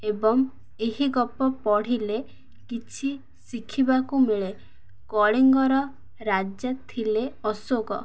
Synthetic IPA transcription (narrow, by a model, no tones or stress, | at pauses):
ebɔŋ | eɦiɡɔpɔpɔɽ̤ile | kit͡ʃʰi | sikʰibakumeɭe | kɔɭiŋɡɔɾɔ | ɾad͡ʒat̪ʰileɔsoɡɔ